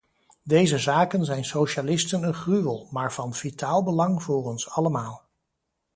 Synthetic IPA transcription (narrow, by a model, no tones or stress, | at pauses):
dejzəzaːkənzɛjnsowʃalɪstənənχryʋəlˠmaːɹv̥ɑnv̥itaːlˠbəlɑŋvʊːrɔnsɑləmaːlˠ